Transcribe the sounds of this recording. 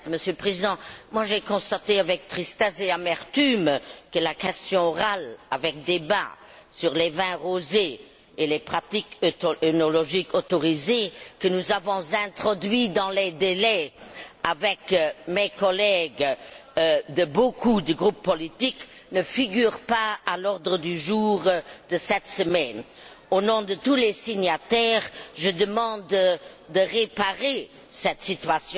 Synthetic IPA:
məsjøləpχezid̪ɑ̃mwaʒekɔ̃st̪at̪eavɛk̚t̪χist̪ɛzeamɛʁt̪ymkəlakɛst̪jɔ̃ɔʁalavɛk̚d̪eba̰ | syʁlevɛ̃ʁoze | elepχat̪ikønolɔʒikʰot̪ɔʁizekənuzavɔ̃zɛ̃t̪χɔd̪ɥid̪ɑ̃led̪elɛavɛkmekɔlɛɡ | d̪əbokʰud̪əɡʁupːɔlit̪ik | nəfiɡyːʁpaalɔʁd̪ʁəd̪yʒuːʁd̪əsɛt̪səmɛn | onɔ̃d̪ət̪ulesiɲat̪ɛːʁʒəd̪əmɑ̃d̪ | d̪əʁepaʁe | sɛt̪sit̪ɥasjɔ̃

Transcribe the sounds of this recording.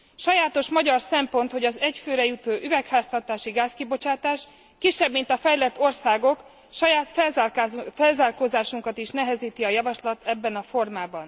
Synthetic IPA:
ʃɒjaːt̪o̞ʃmɒɟɒrsɛmpo̞nt̪ho̞ɟɒzɛcføːɾɛjut̪oːʔyvɛkhaːst̪ɒt̪aːʃiɡaːskibo̞t͡ʃaːt̪aːʃ | kiʃːɛbmint̪ɒfɛjlɛt̪ːo̞rsaːɡo̞k | ʃɒjaːt̪fɛlzfɛlzaːrkoːzaːʃuŋkɒt̪iʃnɛɦɛziːt̪iɒjɒvɒʃlɒt̪ɛbːɛnɒfo̞rmaːbɒn

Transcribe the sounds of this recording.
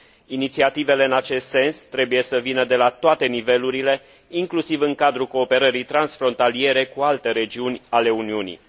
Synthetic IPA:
init̪siat̪ive̞le̞ɨnat͡ʃe̞st̪se̞nst̪ɾe̞buje̞səvinəd̪e̞lat̪oat̪e̞nive̞luɾile̞ | iŋklusivɨŋkad̪ɾuko̞ːpe̞ɾəɾijt̪ɾansfɾo̞nt̪alie̞ɾe̞kualt̪e̞ɾe̞d͡ʒiunʲale̞uniunḭ

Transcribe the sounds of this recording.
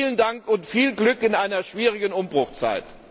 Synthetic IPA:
ləndaŋkʊntfiːlɡlʏkɪnʔaɪnɐʃv̥iːʁ̞ɪɡənʊmbʁʊxt͡sa̰ɪt

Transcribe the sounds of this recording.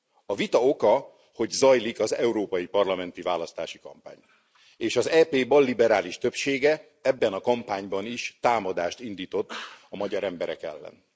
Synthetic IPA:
ɒvit̪ɒo̞kɒ | ho̞ɟzɒjlikɒzɛuɾoːpɒjipɒrlɒmɛnt̪ivaːlɒst̪aːʃikɒ̰mpa̰ːɲ | eːʃɒzɛːpeːbɒlːibɛɾaːliʃt̪ø̞pʃeːɡɛ | ɛbːɛnɒkɒmpaːɲbɒniʃt̪aːmɒd̪aːʃt̪ind̪iːt̪o̞t̪ːɒmɒɟɒɾɛmbɛɾɛ̰kɛ̰lːɛ̰n

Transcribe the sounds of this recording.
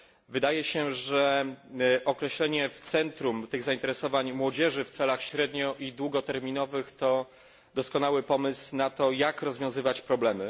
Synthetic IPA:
vɘd̪ajɛɕɛʐɛ | ʔɔkɾɛɕlɛɲɛft̪sɛnt̪ɾumt̪ɘɣzaint̪ɛɾɛsɔvaɲmwɔd͡ʑɛʐɘft̪sɛlaxɕɾɛd̪ɲɔʔid̪wuɡɔt̪ɛɾmʲinɔvɘxt̪ɔ | d̪ɔskɔnawɘpɔmɘsnat̪ɔjakɾɔzvʲjɔ̃w̃zɘvat͡ɕpɾɔblɛmɘ

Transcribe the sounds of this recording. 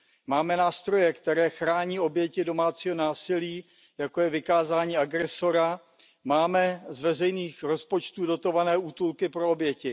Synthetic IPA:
maːmɛnaːst̪ɾo̞jɛkt̪ɛɾɛːxɾaːɲiːo̞bjɛcɪdo̞maːt͡siːɦo̞naːsɪliː | jako̞jɛvɪkaːzaːɲiːaɡɾɛso̞ɾa | maːmɛzvɛrɛjniːxɾo̞spo̞t͡ʃt̪uːdo̞t̪o̞vanɛːʔuːt̪ulkɪpɾoobjɛcɪ

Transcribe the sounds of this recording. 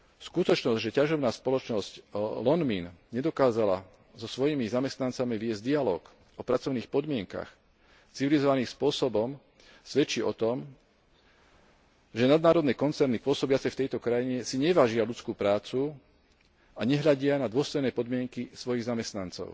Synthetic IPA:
skut̪ɔt͡ʃnɔzɟʒɛcaʒɔʊnaːspɔlɔt͡ʃnɔzclɔnminɲɛd̪ɔkaːzala | zɔsʋɔjimizamɛst̪nant͡samiʋɪɛzɟd̪ialɔːk | ɔpɾat͡sɔʊniːxpɔd̪mɪɛŋka̰x | t͡siʋilizɔʋaniːspʊɔsɔbɔm | sʋɛt͡ʃiːɔt̪ɔm | ʒɛnad̪̚naːɾɔd̪nɛːkɔnt͡sɛɾnipʊɔsɔbɪat͡sɛft̪ɛjt̪ɔkɾajiɲɛsiɲɛʋaːʒɪalut͡skuːpɾaːt͡su | aɲɛɦʎaɟɪanad̪ʊɔst̪ɛjnɛːpɔd̪mɪɛŋkisʋɔjiɣzamɛst̪nant͡sɔ̰ʊ

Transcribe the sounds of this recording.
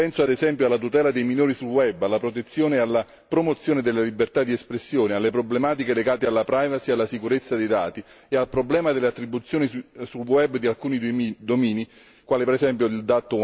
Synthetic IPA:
pɛnsoad̪ezɛmpjoalːat̪ut̪ɛːlad̪ejminoːɾisulwɛbːalːapɾot̪̬et̪sːjoːnealːa | pɾomot̪sːjoːned̪elːalibːert̪ad̪ːiɛspɾesːjoːnealːepɾoblemaːt̪ikeleɡaːt̪ealːapɾajvasialːasikuɾet̪sːad̪ejd̪a̰ːt̪i | ealpɾoblɛːmad̪elːeat̪ːɾibːut̪sjoːnisulwɛbːd̪ialkuːnid̪omiːni | kwaːlipeɾɛsɛmpjoild̪at̪ːʊ

